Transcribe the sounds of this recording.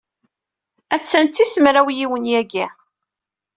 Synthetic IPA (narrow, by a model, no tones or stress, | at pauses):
æt͡sːænt̪ːisəmɾæwjiwənjæɡæ